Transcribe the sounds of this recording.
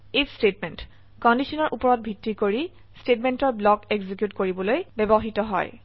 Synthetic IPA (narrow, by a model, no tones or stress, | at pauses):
estetmɛnt | kɔndisʰɔnɔɹʔupɔɹɔt̚bʱitːikoɹi | stetmentɔɹblɔkeɡzikjutkoɹibɔlojbɛbɔɦitɔɦɔ̰j